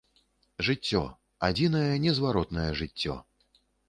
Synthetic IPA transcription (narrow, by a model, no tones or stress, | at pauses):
ʐɨt͡sʲːɔ̰ | ad͡zʲinɐjɛnʲɛzvaɾɔt̪nɐjɛʐɨt͡sʲːɔ̰